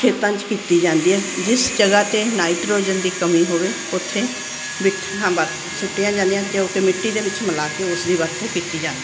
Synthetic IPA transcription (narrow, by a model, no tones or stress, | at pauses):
kʰeːt̪ãːnt͡ʃkiːt̪iːd͡ʒãːnd̪iːɦɛːd͡ʒɪsd͡ʒəɡaːt̪eːnaːɪʈɾoːd͡ʒənd̪iːkəmiːɦoːʋeː | ʊt̪ʰːẽː | bɪʈʰɦãːbaːt̪ | sʊʈːjãːd͡ʒãːnd̪ejãːt̪eokəmɪʈːiːd̪eːʋɪt͡ʃməlaːkeːʊsd̪iːʋəɾt̪ʰekiːt̪iːd͡ʒãːnd̪i